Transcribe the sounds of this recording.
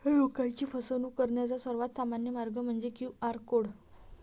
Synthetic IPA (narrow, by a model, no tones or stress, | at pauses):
jokajt͡ɕiːfəsənuːkəɾɳjat͡sasəɾʋat̪samanjəmaɾɡəm̤əɳd͡zekjuaɾkoɽ